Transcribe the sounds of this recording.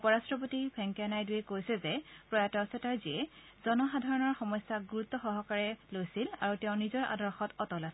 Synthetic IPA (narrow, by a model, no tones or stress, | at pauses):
upɔɹastɹɔp̬otipʰɛŋkianajduɛkojsɛzɛpɹɔjatɔasɛtaɹziɛ | z̥ɔnɔxadʱaɹɔnɔɹxɔmɔjsaɡuɹut̪ːɔxɔɦɔkaɹɛlojsila̰ɹutɛʊ̃nizɔɹʔa̰dɔɹxɔtɔtɔlasɛ